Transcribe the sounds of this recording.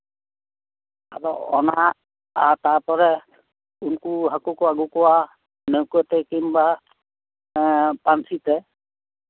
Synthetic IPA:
a̰tɔɔ̰na | aɹtaɹpɔɹɛ | unkuɦakukuaɡukɔwa | newkuɛtɛkimba | pansitɛ

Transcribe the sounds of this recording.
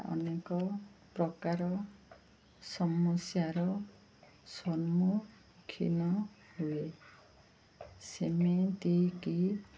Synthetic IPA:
ʔɔ̰nekɔpɾɔkaɾɔ | sɔmɔsjaɾɔ | sɔnmu | kʰḭnɔ | hue | semet̪iki

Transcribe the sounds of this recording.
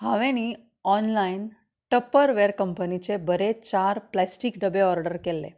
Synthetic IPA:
hãʋẽni | ɔnlain | ʈəpəɾʋeɾkəmpənit͡sebəɾet͡ɕaɾplæsʈikɖəbeɔɾɖəɾkelːḛ

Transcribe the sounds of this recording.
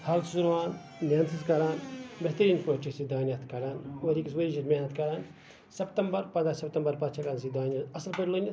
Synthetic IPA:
hɐlsuɾʋaːnːaːnsiskɐɾaːnbeɦt̪ɐɾiːnpoʈisid̪aːnjɐt̪ʰkɐɾaːnwɐɾikiswɐɾid͡ʒiɾmeɦnɐt̪kɐɾaːn | sɐpt̪ɐmbɐɾpɐnd̪ɾasɐpt̪ɐmbɐɾpɐt͡ʃʰɐkansid̪aːnʲjɐɐsɐlpɐɾʲlonʲɐ

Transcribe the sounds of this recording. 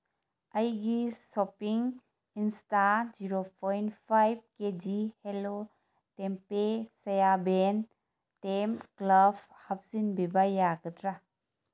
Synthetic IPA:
ɐjɡisopiŋ | instad͡ʒiɾopʰɔjnpʰajb̚ked͡ʒihelo | tempesɐjaben | temklab | hɐp̚zinbibajaɡɐtɾa

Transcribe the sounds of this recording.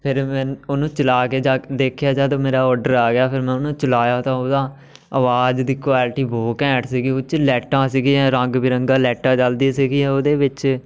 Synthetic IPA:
pʰɪɾmɛ̃ːnoːnũːt͡ʃəlaːkeːd͡ʒaːd̪eːkʰjaːd͡ʒaːt̪ãːmeːɾaːɔːɾɖəɾaːɡɪjaːpʰɪɾmɛ̃ːʊnũːt͡ʃəlaːjaːt̪ãːoːd̪ãː | əʋaːd͡ʒd̪iːkʋaːlʈiːboːkɛ̃ːʈsiːɡiːʊt͡ʃlɛːʈãːsiːɡiːɦɛ̃ːɾəŋɡbiːɾəŋɡãːlɛːʈãːt͡ʃəld̪iːsiɡiːɦɛːoːd̪eːʋɪt͡ʃ

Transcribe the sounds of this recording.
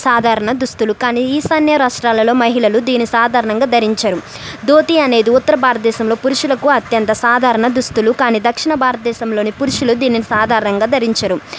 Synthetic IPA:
saːd̪ʱaːɾɐɳɐd̪ust̪ulukaːniːiːsɐnjɐɾaːʂʈɾaːlɐlo̞ːmɐɦiɭɐlud̪iːnisaːd̪ʱaːɾɐɳɐŋɡaːd̪ʱɐɾiɲt͡ʃɐɾu | d̪oːt̪iɐne̞ːd̪iut̪ːɐɾɐbʱaːɾɐt̪ɐd̪ɛːʃɐmlo̞ːpuɾuʂulɐkuɐt̪jɐnt̪ɐsaːd̪ʱaːɾɐɳɐd̪ɾust̪ulukaːniːd̪ɐkʂiɳɐbʱaːɾɐt̪ɐd̪ɛːʃɐmlo̞ːnipuɾuʂulud̪iːninisaːd̪ʱaːɾɐɳɐŋɡaːd̪ʱɐɾiɲt͡ʃɐɾu

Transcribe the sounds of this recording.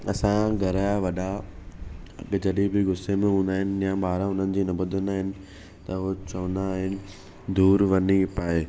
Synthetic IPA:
ɐsãɡʱɐɾaaʋɐɗa | ɐ̰ɠd͡ʑɐɗibɪɡʱʊsemẽɦũːn̆d̪aːɦɪnɪ̆jãɓaːɾãɦʊn̤ənɪ̆d͡ʑiːnɐbʊd̪ʱɪnd̪aːɦɪnɪ̆ | t̪ɐʊt͡ɕɐʋə̃nd̪aːɦɪnɪ̆ | d̪uːɾʋɐnipaːeː

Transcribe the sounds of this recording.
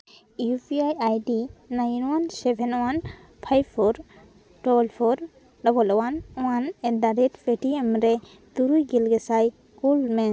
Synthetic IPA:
iupʰiajajdinajnwansɛbʰʱɛnwan | pʰajbʰɔɾ | dɔlpʰɔɾ | dɔbɔlɔwanwanɛdaɾɛtbeʈiemɾɛ | d̪̥uɾujɡilɡɛsaj | kulmɛ

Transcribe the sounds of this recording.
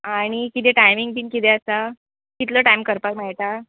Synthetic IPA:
aɽ̃ikit̪ɛʈajmiŋɡ̚binkit̪ɛasa | kit̪ləʈajmkəɾpakmajʈ̪a

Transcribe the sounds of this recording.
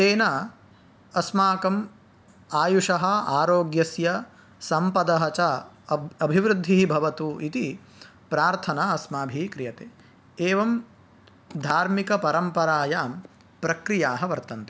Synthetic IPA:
seːna | ɐsmaːkɐm | aːjuʂɐɦɐaːɾoːɡjɐsjɐ | sɐmpɐd̪ɐɦɐt͡ʃɐ | ɐbʱiʋɾud̪ʱːiɦibʱɐʋɐt̪uʔit̪i | pɾaːɾt̪ʰɐnaɐsmaːbʱiːkɾijɐt̪eː | eːʋɐm | d̪ʱaːɾmikɐpɐɾɐmpɐɾaːjaːm | pɾɐkɾijaːɦɐʋɐɾt̪ɐnt̪e

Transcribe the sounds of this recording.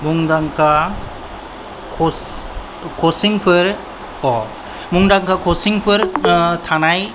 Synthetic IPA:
muŋdaŋkʰa | kʰɔs | kʰɔsiŋpʰɯɾ | kɔ | muŋdaŋkʰakʰɔsiŋpʰɯɾtʰanaj

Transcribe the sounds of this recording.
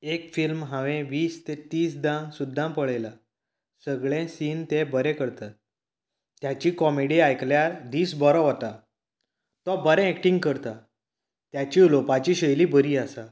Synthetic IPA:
ekfilmɦãʋẽʋiːst̪ẽt̪iːsd̪ãsud̪ʱːãpəɭela | səɡɭẽsiːnt̪ebəɾɛ̃kəɾt̪a | t̪jat͡ɕikɔmeɽiajkljaɾd̪iːsbɔɾɔɦɔt̪a | t̪ɔbəɾɛ̃ːk̚ʈĩŋɡ̚kəɾt̪a | t̪jat͡ɕiulopat͡ɕiɕəjlibəɾiːasa

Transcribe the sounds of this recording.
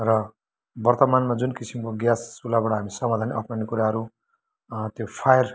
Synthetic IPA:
rʌ | bʌrt̪ʌmanmad͡zunkisimkoɡjasːulabaʈaɦamisʌmad̪ʱanʔʌpnʌnikuɾaɦʌɾu | t̪jopʰajʌr

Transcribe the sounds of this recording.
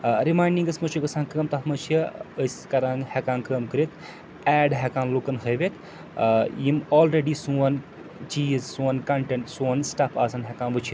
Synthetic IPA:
ɾimaːjɳɖiŋɡɐsmɐt͡ʃʰuɡɐsãːŋkəːmt̪ɐɦmɐt͡ʃʰiəskɐɾãːŋɡhɛkãːŋkəːmkɨɾit̪ʰ | ɛːɖɦɛkãːnlokɐnɦəjʋet̪ | jimɔːlɾeɖisuɐn | t͡ʃiːzsuɐnkɐɳʈeɳʈsuɐnsʈɐpʰaːsɐnɦɛkãːnbɨt͡ʃʰit̪

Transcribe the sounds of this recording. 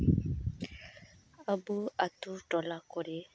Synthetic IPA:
abuatuɖɔlakɔɾe

